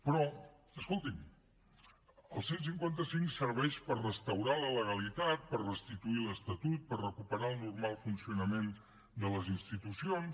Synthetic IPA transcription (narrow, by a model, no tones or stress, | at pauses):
pɾɔ | əskolˠt̪im | əlˠsens̬iŋkwant̪əsiŋksəɾβ̞ɛʃpərrəst̪əwɾalələɣ̞əlit̪at̪̚pərrəst̪it̪uiləst̪ət̪ut̪̚pərrəkupəɾaəlˠnurmalˠfunsiunəmen | d̪ələzinst̪it̪usions